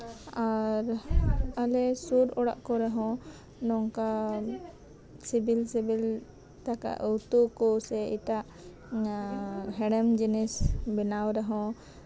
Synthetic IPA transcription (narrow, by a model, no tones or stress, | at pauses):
aɾalɛsuɾɔɽa̰ʔkɔɾɛɦɔ̃ | nɔŋka | sibilsibil | t̪aka̰ʔɔwt̪ukɔsɛiʈaʔ | ɦɛɽɛmd͡ʒinisbɛnawɾɛɦɔ̃